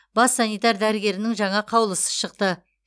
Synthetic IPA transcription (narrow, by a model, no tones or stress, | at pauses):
bɑsːɑnijt̪ɑɾd̪æɾɪɡʲe̞ɾɪnɪŋʒɑɴɑqʰɑwlˠəsə̥ʃəq̚t̪ə